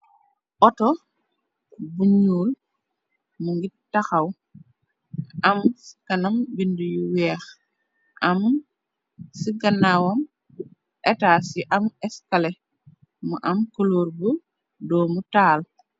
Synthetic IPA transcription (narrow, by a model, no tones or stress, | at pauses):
ʔɔtɔ | buɲuːl | muŋɡitaxaw | ɐmsi̥kɐnɐmbindujuwɛːx | ʔɐm | siɡɐnawɐm | ʔɛtaːsiʔamɛskalɛ | muʔamkoloːɾbu | dɔːmutaːl